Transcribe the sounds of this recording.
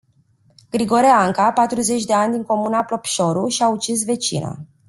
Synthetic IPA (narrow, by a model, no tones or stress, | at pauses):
ɡ̥ɾiɡo̞ɾeaŋkapat̪ɾuze̞t͡ʃʲd̪e̞anʲd̪iŋko̞munaplo̞pʃo̞ɾuʃiaut͡ʃis̬ve̞t͡ʃḭnə̰